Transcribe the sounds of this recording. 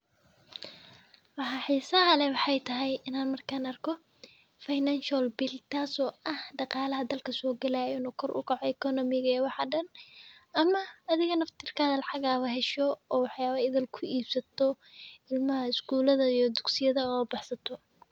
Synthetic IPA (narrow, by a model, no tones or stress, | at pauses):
wɑħɑħiːsɐɦɐlɛwɑħɑjt̪ʰɐɦɛjɪnaːnmɐrkʰaːnɐrkʰɔ | fajnanʃɔlbɪlt̪ʰaːsɔːɐhɖɑqɑːlɐɦɐd̪ɐlkʰɐsɔːɡɐlaːjɔnɔkʰɔrʔʊ̰kʰɑʕɔɛkʰɔnɔmɪɣɐɛwɑħɑɖɐnɐmɐːðɪɣɐnɐft̪ʰɪrkʰaðɐlɑħɑɣaːβɐɦɛʃɔɔːwɑħjaːβɐɪðɐlkʰʊiːbsɐt̪ʰɔ | ɪlmɐɦɐɪsɡuːlɐðɐijɔd̪ʊɡsɪjɐðɐɔːbɑħsɐt̪ʰɔ